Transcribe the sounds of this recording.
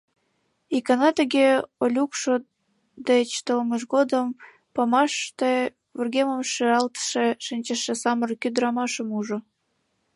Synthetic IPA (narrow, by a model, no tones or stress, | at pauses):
ikɑnɑt̪əɣeolʲukʃo | d̪et͡ɕt̪olməʃ̬ɡod̪əm | pɑmɑʃt̪e | vurɣʲeməmʃeɾɑlt̪ə̥ʃeʃinʲt͡ɕəʃĕsɑmərkyd̪ɾɑmɑʃəmuʒŏ